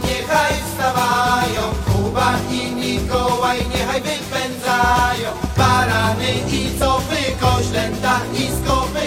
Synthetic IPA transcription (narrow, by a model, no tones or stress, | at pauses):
ɲɛxajst̪avajɔ̃w̃kubaiɲikɔwajɲɛxajvɪpɛnzajɔ̃paɾanɪisɔvɪkɔɕlɛnt̪aiskɔvɪ